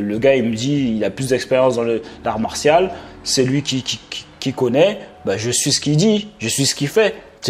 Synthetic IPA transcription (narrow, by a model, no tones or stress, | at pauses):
ləɡaiməd̪iilaplysd̪ɛkspeʁjɑ̃sd̪ɑ̃ləlaʁmaʁsjalsɛlɥikʲikʲikʲkʲikɔnɛbaʒəsɥisə̥kʲid̪iʒəsɥisə̥kʲifɛ | t̪